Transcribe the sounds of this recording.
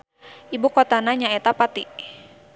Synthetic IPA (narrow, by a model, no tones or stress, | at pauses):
ʔibukɔt̪anaɲaɛt̪apat̪i